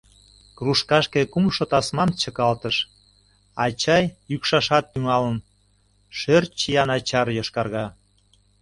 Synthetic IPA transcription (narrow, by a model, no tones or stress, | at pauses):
kruʃkɑʃkekumʃot̪ɑsmɑmt͡ɕəkɑlt̪əʃ | ɑt͡ɕɑjjykʃɑʃɑt̪̚ːyŋɑlən | ʃørt͡ɕijɑnɑt͡ɕɑrjoʃkɑrɣɑ